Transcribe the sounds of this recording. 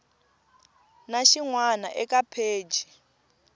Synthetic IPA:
naʃiŋwana̰ʔɛkʼapʰeːd͡ʒʱi

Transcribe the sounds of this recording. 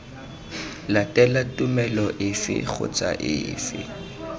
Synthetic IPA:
latʼɛlatʼʊmɛlɔʔɪfɪ̰k͡xʰʊ̰t͡sʼa̰ʔɪ̰ːfɪ

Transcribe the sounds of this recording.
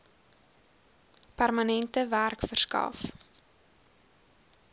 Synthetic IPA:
pærmɐnɛntəværkfərskɐ̰f

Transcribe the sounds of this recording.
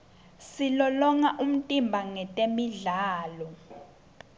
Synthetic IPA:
silɔlɔŋaʔum̩tʼimbʱaŋɛtʼemiɮaːlɔ

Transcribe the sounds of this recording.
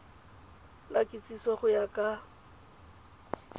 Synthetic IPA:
lakʼɪt͡sʼisɔχʊjakʼa

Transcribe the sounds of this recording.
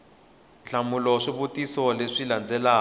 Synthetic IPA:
ɬamulɔʂiβotʼisɔleʂiland͡zɛlaː

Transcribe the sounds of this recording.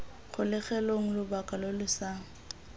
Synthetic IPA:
χʊlɪχɛloŋ̩lʊbakʼalolɪsaŋ̩

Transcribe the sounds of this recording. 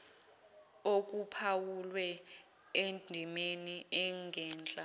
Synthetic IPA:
ok̬upʰawulwɛ | edʱimeniɛŋɡʱɛːnt͡ɬʼa

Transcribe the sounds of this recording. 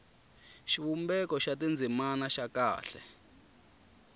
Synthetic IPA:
ʃiwumbɛkɔʃatind͡zʱimanaʃaka̰ːɬɛ

